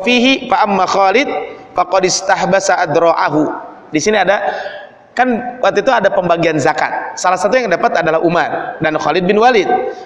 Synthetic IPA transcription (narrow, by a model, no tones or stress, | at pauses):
fiɦifaʔamːaxaːlɪd̪̚faqɑdɪst̪ahbasaʔad̪ɾɔʔaɦu | disiniada | kanwat̪uit̪uadapəmbaɡianzaka̰t̪̚salahsat̪ujaŋdapat̪adalahumardanxalɪd̪̚bɪnwalɪd̪̚